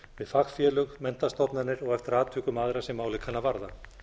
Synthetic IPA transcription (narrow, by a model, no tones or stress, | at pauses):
vɪðfaxfjɛːlʏɣmɛn̥t̪ast̪ɔpnanɪɾɔɣɛft̪ɪɾaːt̪ʰʏːkʏmaðɾasɛmaːwlɪkʰːanavaɾða